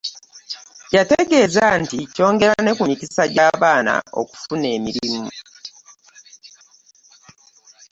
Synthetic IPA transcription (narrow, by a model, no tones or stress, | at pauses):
jateɡe̞ːzantico̞ːŋɡe̞ɾane̞kumitisaɟaːβaːna̰o̞̰ku̥fune̞ːmiɾimu